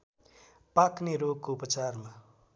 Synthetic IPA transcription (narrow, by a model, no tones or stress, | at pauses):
pakneɾoɡ̚koupət͡sarma